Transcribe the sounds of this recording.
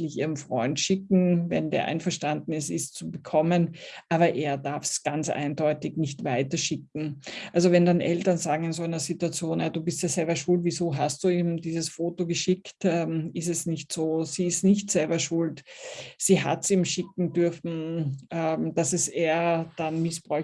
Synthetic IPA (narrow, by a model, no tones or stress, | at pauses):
lɪçiːʁənfʁ̥ɔʏntʃɪk̚ŋ̩vɛ̰ndḛːɐʔa̰ɪnfɐʃtandn̩ɛsɪst͡subəkʰɔmənʔaːβɐʔeːɐdaɐfsɡ̥ant͡sʔa̰ɪndɔʏtɪçnɪçtvaɪtɐʃɪk̚ŋ̩ʔalzovɛndanʔɛltɐnzaːɡŋ̩ɪnzoːæɪnɐzituat͡sjoːnjaduːbɪstjaːzɛlbɐʃʊltv̥iːzoːɦast̚d̥uːiːmdiːzəsfoːtoɡəʃɪktʔɛːmɪs̬tɛsnɪçtz̥oːz̥iːɪstnɪçtz̥ɛlbɐʃʊltz̥iːɦa̰tsiːmʃɪk̚ŋ̩dʏɐfn̩ʔɛmd̥asɛseːɐd̥anmɪsb̥ʁɔʏ